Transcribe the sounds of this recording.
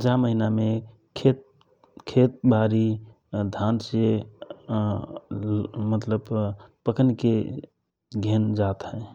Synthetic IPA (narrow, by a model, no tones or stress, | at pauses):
d͡ʒaməɦiname | kʰet̪̚ | kʰet̪̚baɾi | d̪ʱanse | mət̪ləbpəkənke | ɡʱend͡ʒat̪ɦɛ̃